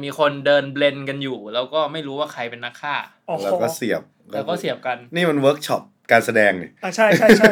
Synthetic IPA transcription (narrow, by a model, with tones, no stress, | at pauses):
miː˧kʰo˧ndɤː˧nble˧nka˧njuː˨˩lɛː˦˥wkɔː˥˩ma˥˩jɾuː˦˥waː˥˩kʰa˧jpe˧nːa˦˥kʰːaː˥˩ | o˨˩lɛː˦˥wkɔː˥˩si˨˩əp̚ː | wkɔː˥˩si˨˩əpka˧nniː˥˩ma˧nwɤː˦˥k̚t͡ɕʰɔ˦˥p̚kaː˧nsa˧dɛː˧ŋni˨˩a˧˩t͡ɕʰa˥˩ja˥˩t͡ɕ